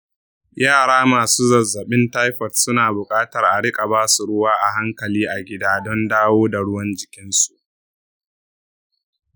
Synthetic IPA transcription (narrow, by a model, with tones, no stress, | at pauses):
jaː˦˨ɽaː˦maː˨suː˦zɐ˨zːɐ˨ɓɪ˦nta˦jɸɐ˨tsʊ˦naː˨bʊ˨kʼaː˦tɐ˨rʔa˨ɽɪ˦kʼa˨baː˦su˨ɽʊ˦waː˦ʔa˨ɦa˦ŋkɐ˨liː˦ʔa˨ɡʲɪ˦daː˦dɔ˦ndaː˦woː˦da˨ɽʊ˦wɐ˦nd͡ʒɪ˨kʲɪ˦nsu˨ʔ